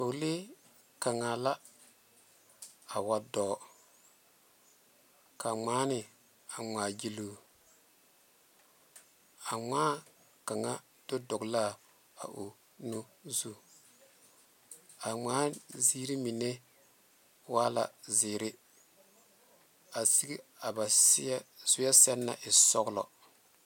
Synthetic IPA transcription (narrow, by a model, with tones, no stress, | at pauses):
o˨le˦ | ka˨ŋa˨la˦ | a˨wa˨dɔː˨ | ka˨ŋ͡maː˦nɪ˨ | a˨ŋ͡maː˨ɡi˦lu˨ | a˨ŋ͡maː˦ | ka˨ŋa˦ | d̥o˦dɔ˨kla˦˨ | a̰˨ʔu˨ | nu˦zu˦ | a˨ŋ͡maː˦ziː˦ɾi˦mi˨ne˦ | waː˦la̰˨zɪː˨ɾɪ˦ | a˨si˦ɡi˦a˨ba˨˦ | zʊ˦ja˦sɛ˦nːa̰˨ʔɪ˨sɔ˦ɡlɔ̰˨